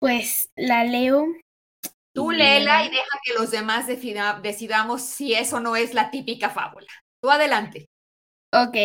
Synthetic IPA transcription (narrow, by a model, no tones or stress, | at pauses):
pweslaleo | t̪ulelaiðe̞xake̞lo̞zðe̞mazðed̪e̞siðamo̞sːie̞so̞no̞e̞zlat̪ipikafa̰βula | t̪uaðe̞lant̪e̞ | oke